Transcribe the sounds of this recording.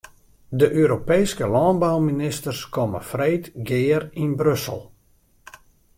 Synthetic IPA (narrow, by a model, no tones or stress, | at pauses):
dəʔøːɾopejskəlɑːnbawminɪstərskɔmə̰freːtɡɪːərinbrøsə̰lˠ